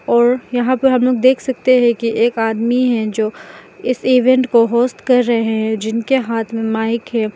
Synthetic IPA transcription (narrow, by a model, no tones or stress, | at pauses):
ɔːɾjɐɦãpɐɾɦɐmloːɡd̪eːkʰsɐk̚t̪eɦɛ̃kiʔeːkaːd̪miɦɛ̃d͡ʒoːɪsiːʋɛ̃ɳʈkoɦoːst̪kɐɾːɐɦeɦɛ̃d͡ʒɪnkeɦaːt̪ʰmẽmaːɪkɦɛ̃ː